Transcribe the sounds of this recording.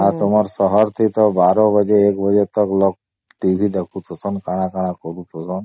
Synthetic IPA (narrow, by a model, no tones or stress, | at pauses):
at̪omɔɾsɔɦɔɾt̪ʰit̪ɔbaɾɔbəd͡ʒeːkbəd͡ʒet̪ɔklɔk̚ | ʈibʱid̪ekʰut̪ʰɔsɔnkaɽ̃akaɽ̃akɔɾut̪ʰɔsɔn